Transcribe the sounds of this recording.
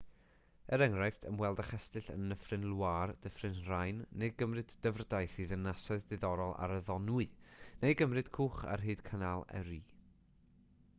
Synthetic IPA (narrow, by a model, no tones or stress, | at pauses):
əɾɛŋrajftʰəmwɛlˠdaχɛstɨɬə̰nəfrɨnlˠward̥əfrɨnr̥ajnnːejɡəmrɨdːəvrdajθiðənːasɔɨðːɨðɔɾɔlˠa̰ɾəðɔnwɨnejɡəmrɨd̥kʰuːχa̰rɦɨːd̥kʰənalˠɛ̰ɾiː